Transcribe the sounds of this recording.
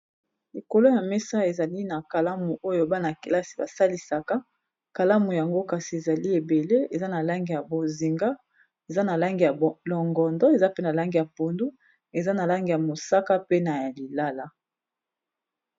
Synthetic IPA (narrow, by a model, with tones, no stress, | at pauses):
li˨ko˨lo˦ja˨mɛ˦sa˦e˨za˨li˦na˨ka˨la˦mu˨ʔo˦jo˦ba˦na˨ke˨la˦si̥˨ba˨sa˦li˨sa˨ka˦ | ka˨la˦mu˨ja˨ŋɡo˦ka˨si˨e˨za˨li˦e˨be˨le˦e˨za˦na˨la˦ŋɡi˨ja˨bo˨zi˨ŋɡa˦ | e˨za˦na˨la˦ŋɡi˨ja˨lɔ˨ŋɡɔ˨ndɔ˦e˨za˦pe˦na˨la˦ŋɡi˨ja˨po˨ndu˦ | e˨za˦na˨la˦ŋɡi˨ja˨mo˨sa˦ka˦pe˦na˨ja˨li˨la˦la˦